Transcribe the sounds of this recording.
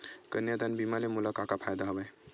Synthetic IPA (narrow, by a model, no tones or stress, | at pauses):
kənjəd̪anbimalemulakakapʰajd̪aɦəbəj